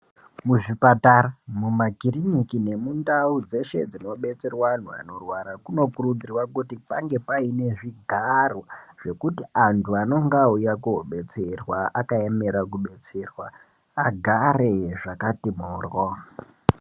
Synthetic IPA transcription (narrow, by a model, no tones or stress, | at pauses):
muʐipataɾamumaɡʱirinikine̞mundaud͡ze̞ʃe̞̰d͡zino̞ɓe̞t͡se̞rwan̤ua̰no̞rwaɾakuno̞kurud͡zirwakutipaŋɡe̞paine̞ʐiɡʱaroʐ̥e̞kutiantʰuano̞ŋɡaujakuɓe̞t͡serwaakaeme̞ɾakuɓe̞t͡se̞rwa | aɡʱareʐakatimoːrwo